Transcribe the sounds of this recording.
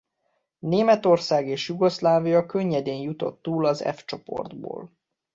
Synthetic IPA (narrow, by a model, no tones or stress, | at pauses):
neːmɛt̪o̞rsaːɡeːʃjuɡo̞slaːvijɒkøɲːɛd̪eːɲjut̪o̞̰t̪ːuːlɒzɛ̰ft͡ʃo̞po̞̰rd̪bo̰ːl